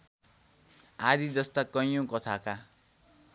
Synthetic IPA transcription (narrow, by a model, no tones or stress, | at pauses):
ad̪id͡zʌst̪akʌjõkʌt̪ʰaka